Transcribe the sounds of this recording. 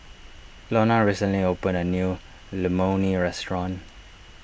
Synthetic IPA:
lɔnaɹisə̃nliopə̃nənju | ləmoniɹɛstɹɔ̃n

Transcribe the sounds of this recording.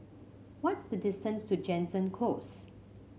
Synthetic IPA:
wɔtsdədɪstə̃nstud͡ʒɛ̃nsə̃nkʰlos

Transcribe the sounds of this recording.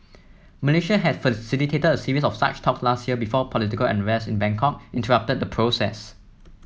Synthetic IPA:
məleʃəɦɛdfəsilitʰetədəsiɹis̬ɔfsa̰t͡ʃtʰɔkslastjiəbifɔpʰɔlitikəlɛ̰̃nɹɛsɪ̃nbɛ̃ŋkʰɔk̚ʔɪ̃ntəɹʌp̚təd̚dəpʰɹosɛ̰s

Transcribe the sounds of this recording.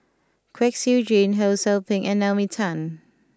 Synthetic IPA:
kʰwɛksjud͡ʒĩnɦoʊsɛlpɪ̃ŋʔɛ̃nɛlmitʰãn

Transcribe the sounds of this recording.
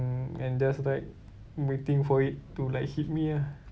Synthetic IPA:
nã̰nd͡ʒaslajk̚ | mit̪ĩŋfɔittulajk̚hit̚mĩa

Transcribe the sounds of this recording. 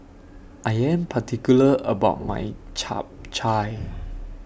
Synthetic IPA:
ʔajɛ̃mpʰatʰikjuləə̰baʊt̚ma̰jt͡ʃʰa̰p̚t͡ʃʰaj

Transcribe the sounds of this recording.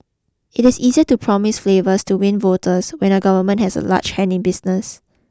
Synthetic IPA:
ɪtɪsiziətupʰɹɔmɪsflevəstuwĩnvotʰəswɛ̃nəɡavəmə̃nthɛsə̰la̰t͡ʃhɛ̃nɪ̃nbisnəs

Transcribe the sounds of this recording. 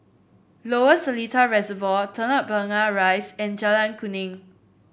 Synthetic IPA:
loəsəlitʰaɹɛzəvɔtʰə̃naʔ̚bəŋaɹaɪsɛ̃nd͡ʒalãnkʰunĩŋ

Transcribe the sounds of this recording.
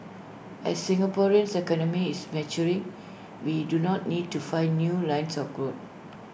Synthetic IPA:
ɛ̰sːĩŋɡapɔɹiə̃nsɛkɔnə̃miismɛt͡ʃuɹĩŋ | widunɔt̚nid̚tufãɪ̃nːjulãj̃nsɔfɡɹot̚

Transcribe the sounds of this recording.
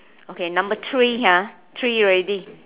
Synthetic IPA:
okʰenãmbət̪ʰɹiɦã | t̪ʰɹiɹedi

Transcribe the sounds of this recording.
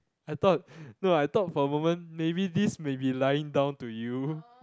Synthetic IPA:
ajt̪ɔt̚noajt̪ɔt̚fɔəmomə̃nmebidismẽbilajɪ̃ŋdãʊ̃ntuju

